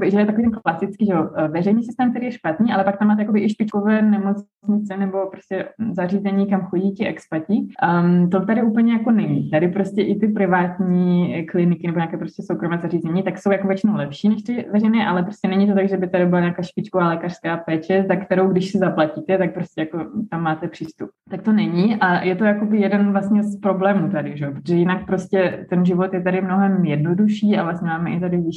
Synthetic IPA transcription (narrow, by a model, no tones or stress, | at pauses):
bɪʒɛojɛt̪akviːt̪ɛnklasɪt͡skiːʒɛovɛrɛjniːsɪst̪ɛːmkt̪ɛɾijɛʃpat̪niːʔalɛpak̚t̪amaːt̪ɛjakobɪʔɪʃpɪt͡ʃkovɛːnɛmo̞t͡s | ɲɪt͡sɛnɛbo̞pɾoscʲɛzariːzɛɲiːkamxoɟiːcɪɛkspacit̪ot̪adɪʔuːpl̩ɲɛjako̞nɛɲit̪adɪpɾoscɛʔɪt̪ɪpɾɪvaːt̪ɲiːklɪnɪkɪnɛboɲaːkɛːpɾo̞scɛsowkɾomɛːzariːzɛɲit̪aksowjakovjɛt͡ʃɪnowlɛpʃiːnɛʃt̪ɪvɛrɛjnɛːʔalɛpɾostcɛnɛɲiːt̪̬ot̪aɡʒɛbɪt̪adɪbɪlaɲaːkaːʃpɪt͡ʃkovaːlɛːkar̥skaːpɛːt͡ʃɛzakt̪ɛɾo̞wɡdɪʃsɛzaplaciːt̪ɛt̪ak̚pɾo̞stcɛjako̞t̪amːaːt̪ɛpr̥iːst̪up̚t̪ak̚t̪onɛɲiʔajɛt̪o̞jako̞bɪjɛdɛnvlast̪ɲɛspɾo̞blɛːmuːt̪adɪʒɛopɾot̪oʒɛjɪnak̚pɾoscʲɛt̪ɛnʒɪvo̞t̪jɛt̪adɪmno̞ɦɛmjɛdno̞duʃiːavlast̪ɲɛmaːmɛʔɪt̪adɪvɪʃ